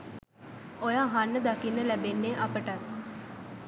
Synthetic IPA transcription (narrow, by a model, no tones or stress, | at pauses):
ojaːɦanːəd̪akinːəlæbenːeːʔapəʈat̪